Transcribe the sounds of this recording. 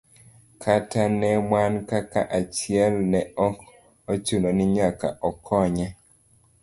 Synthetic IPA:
kʰatanɛmwankaka̰ʔat͡ʃiɛlnɛɔk | ot͡ʃunonɪɲaka̰ʔɔkʰɔɲɛ

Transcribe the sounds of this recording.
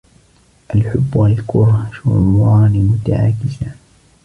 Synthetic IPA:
ʔalħʊbːwalkʊɾhʃʊɾˤɑːnmʊt̪a̰ʕa̰ːkɪza

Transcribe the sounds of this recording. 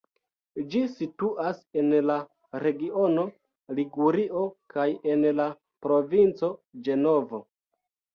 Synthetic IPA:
d͡ʒisituʔase̞nla | ɾe̞ɡio̞no̞ | liɡuɾiʔo̞kaje̞nla | pɾo̞vint͡so̞d͡ʒe̞no̞vo

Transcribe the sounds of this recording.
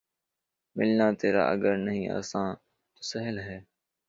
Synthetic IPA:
mɪlnaːt̪eːɾa̰ːʔəɡəɾnəɦĩːa̰ːsãː | t̪oːsəɦəlɦɛː

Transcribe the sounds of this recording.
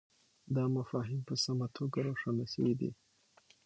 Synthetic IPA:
d̪ɑmafɑɦimpəsamat̪ʰoɡaɾoʂanasə̰wid̪ḭ

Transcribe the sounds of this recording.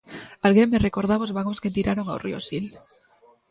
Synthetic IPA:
alɣɾemerekoɾð̞aβozβaɣosket̪iɾaɾoŋawrio̰sil

